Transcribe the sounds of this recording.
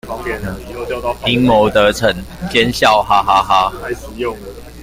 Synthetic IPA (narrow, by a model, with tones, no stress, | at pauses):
i˦ŋmo˨˦ʊt̪ə˨˦t͡sʰə˨˩˦ŋt͡ɕjɛ˦nɕjɑ˥˨ʊɦa˦ɦa˦ɦa˦˥˧